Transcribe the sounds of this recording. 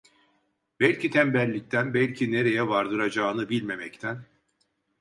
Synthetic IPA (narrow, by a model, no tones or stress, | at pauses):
bɛlʲcʰit̪ʰɛmbɛlʲːic̚t̪ʰænbælʲcʰine̞ɾe̞jɛvaɾd̪ɯɾad͡ʒaːɯnɯbilʲme̞mɛct̪ʰæn